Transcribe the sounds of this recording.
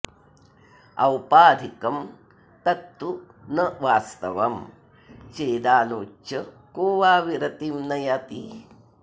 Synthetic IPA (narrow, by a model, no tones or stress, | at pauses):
ɐwpaːd̪ʱikɐm | t̪ɐt̪ːu | nɐʋaːst̪ɐ̰ʋɐm | t͡ʃeːd̪aːnoːt͡ʃːɐ | koːʋaːʋiɾɐt̪imnɐjat̪i